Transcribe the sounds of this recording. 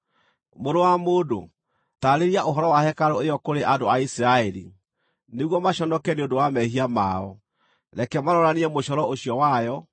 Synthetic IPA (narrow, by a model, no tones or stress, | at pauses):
moɾowamodo̰ | taɾeɾiaʔoɦɔɾɔwahɛkaɾɔejɔkoɾeʔadoaisiɾaɛɾḭ | neɣwɔmaɕɔnɔkɛneodowamɛɦiama̰ɔ | nakɛmaɾɔɾaneɛmoɕɔɾɔoɕjɔwajɔ